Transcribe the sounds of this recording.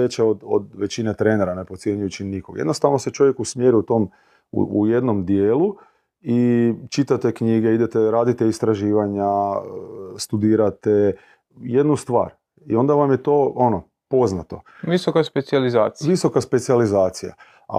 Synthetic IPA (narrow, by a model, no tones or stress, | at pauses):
et͡ʃeod̪o̰d̪ʋe̞t͡ɕinet̪ɾe̞neɾane̞potsje̞ɲujut͡ʃinikoɡjed̪no̞st̪aʋno̞set͡ʃo̞ʋje̞kusmjeɾuut̪o̞m | ṵuje̞d̪no̞md̪jeːlu | it͡ʃit̪at̪ekɲiɡeid̪et̪eɾaːd̪it̪eist̪ɾaʒiːʋaɲa | st̪ud̪iːɾat̪e | jed̪nust̪ʋa̰ːɾ | io̞nd̪aʋamjet̪o̞o̞no | po̞znat̪o̞̰ʋisokaspet̪sializaːt̪ʋiso̞kaspe̞t̪sializaːt̪sija̰